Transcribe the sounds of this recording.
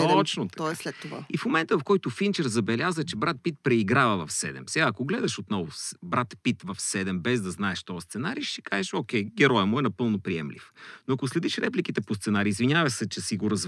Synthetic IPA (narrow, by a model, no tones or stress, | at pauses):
ɔt͡ʃnot̪ɐ̥tɔɛslɛt̪ːova̰ifmomɛnt̪əvɐfkɔjt̪ʊfint͡ʃɛɾzɐbɛlʲazət͡ʃɛbɾat̪̚pit̪̚pɾɛiɡɾavɐvɐfsɛ̰d̪ɛ̰msɛɡaːkoɡlɛd̪ɐʃot̪nɔvʊbɾat̪pit̪vɐfsɛd̪ɛmbɛzd̪ɐznaɛʃt̪ɔst̪sɛnaɾiʃi̥kaʒɛʃokʲɛjɡɛɾɔjɛmoɛnɐpɤlˠnopɾiɛmlḭfnoɐkoslɛd̪iʃɾɛplikit̪ɛpost̪sɛnaɾiːzviɲʲavɐsɛt͡ʃɛsiɡoɾɐz